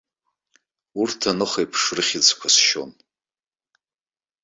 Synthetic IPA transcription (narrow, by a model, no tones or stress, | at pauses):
urtʰanɨχejpʰʂrɨχʲɪt͡sʰkʷʰasʃo̞̰n